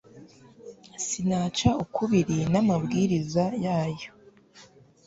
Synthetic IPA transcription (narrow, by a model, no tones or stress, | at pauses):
sinaːt͡ʃaukʰuβiɾinamabɡiːɾizajaːjo̞